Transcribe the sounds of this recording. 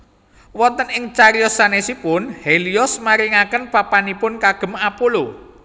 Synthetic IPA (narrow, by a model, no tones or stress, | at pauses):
wɔnt̪ənɪŋt͡ʃaɾijɔsanesipʊnheliɔsmaɾiŋakənpapanipʊnkaɡ̥ə̤mapolo